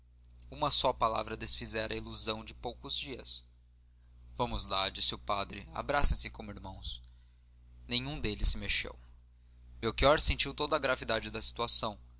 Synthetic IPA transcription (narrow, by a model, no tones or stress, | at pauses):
ũmɐsɔpala̰vɾɐd̪esfizɛɾɐiluzɐ̃w̃d͡ʒɪpowkʊzd͡ʒiɐs | vɐ̃mʊzlad͡ʒisɪʊpad̪ɾɪ̰a̰bɾasɐ̃sɪkõmʊiɾmɐ̃w̃s | nẽɲ̃ũd̪elɪsːɪmeʃḛw | mewkiɔɾsẽnt͡ʃiwt̪od̪ɐːɡɾavid̪ad͡ʒɪd̪ɐsi̥t̪uasɐ̃w̃